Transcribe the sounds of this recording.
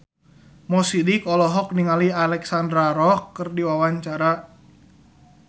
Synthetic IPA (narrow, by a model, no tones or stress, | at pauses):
mɔsidikɔlɔɦɔk̚niŋalialɛksandɾaɾɔkːərdiwawaɲt͡ʃaɾa